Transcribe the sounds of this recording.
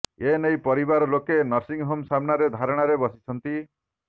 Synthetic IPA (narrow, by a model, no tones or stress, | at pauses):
enejpɔɾibaɾɔlokenɔɾsiŋɦomsamnaɾed̪ʱaɾɔɽ̃aɾebɔsi̥t͡ʃʰɔnt̪i